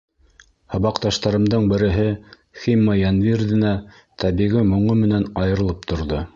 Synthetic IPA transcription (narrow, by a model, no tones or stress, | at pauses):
hɤ̆βɑqt̪ɑʃt̪ɑɾɤ̆md̪ɤɴbɘ̆ɾɘ̆ɦɘ | χimːɑjænvʲirðɘ̆næ | t̪æβiɣɘmŏɴɤmɘ̆nænɑjɤ̆ɾɤ̆lˠɤp̚t̪ʰŏɾðo